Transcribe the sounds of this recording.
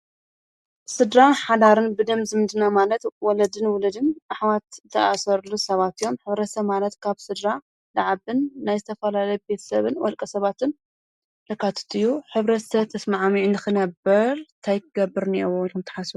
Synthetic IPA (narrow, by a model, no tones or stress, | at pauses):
sɨd̪ɾaħad̪aɾɨnbɨd̪ɐmzɨmɨd̪ɨnamalɐt̪wɔlɐd̪ɨnwʊlɐd̪ɨnʔaħwat̪t̪ʰɐʔasɐɾlusɐβat̪ijo̞mħɨβɾɐt̪sɐmalɐt̪kʰaβsɨd̪ɾa | laʕaβɨnːajzɨt̪ʰɐfɐlalɐjbe̞t̪ʰɐ̥sɐβɨnwɔlkʼɐsɐβat̪ʰɨn | t̪ʰɐkʰat̪ʰɨ̥t̪ʰɨjːuħɨβɾɐt̪sɐβt̪ʰɐsmaʕmiʕinɨxɨnɐbɐɾt̪ʰajk̪ʰɨɡɐbːɨɾnewonxɨmt̪ʰɐ̥ħasbu